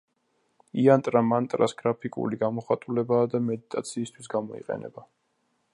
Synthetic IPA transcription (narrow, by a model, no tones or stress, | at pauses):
iant̪ʼɾamant̪ʼɾasɡ̥ɾapʰikʼṵliɡamɔχat̪ʼulɛbaːd̪amɛd̪it̪ʼat̪sʰiːst̪ʰwisɡamɔḭqʼɛ̰nɛ̰ba